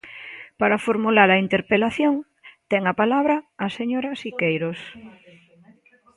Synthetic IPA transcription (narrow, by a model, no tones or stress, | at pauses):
paɾafoɾmulaɾɐint̪eɾpelaθjoŋ | t̪ɛŋapalaβɾaːseɲoɾasikejɾos